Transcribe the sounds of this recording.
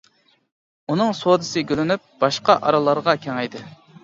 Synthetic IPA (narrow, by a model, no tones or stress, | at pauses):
unɨŋsod̪ɨsɨɡʲølynyp̚b̥ɑʃqɑʔɑ̰ɾɑlˠɑɾʁɑkʲʰeŋɛjd̪ɨ